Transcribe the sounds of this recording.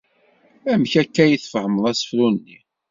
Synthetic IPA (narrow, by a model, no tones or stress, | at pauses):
æmçækːæjəθfəʕəməðˤæsə̥fɾunːi